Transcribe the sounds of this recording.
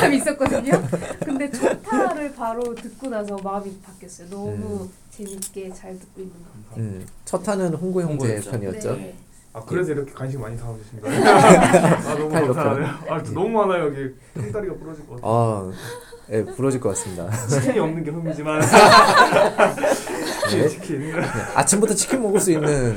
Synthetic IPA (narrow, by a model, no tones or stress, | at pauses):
t͡ɕamis͈ʌt̚k͈ʌdɯɲokɯnde̞t͡ɕʰʌtʰaɾɯɭpaɾotɯt̚k͈onasʰʌmamipak͈jʌs͈ʌjonʌmu | t͡ɕe̞mik͈e̞t͡ɕaɭtɯk̚k͈oinːɯnɡaɯt͡ɕʰʌtʰanɯnɸoŋɡuejoŋɡuepʰjʌniʌt͡ɕ͈o | akɯɾe̞sʰʌiɾʌkʰekwanɕ̬ʰiŋmaɲitaɡoɕʰida | aiɭːʌʌanʌmuanajoɡit͈et͈aɾiɡapuɾʌd͡ʑikʌkaa | je̞puɾʌd͡ʑiɭk͈ʌk͈as͈ɯmɲida̰iɲiʌmnɯnɡeɸumid͡ʑiman | eikʰijea̰t͡ɕʰɯmbutʰʌt͡ɕʰi̥kʰimmʌɡɯɭs͈uinːɯn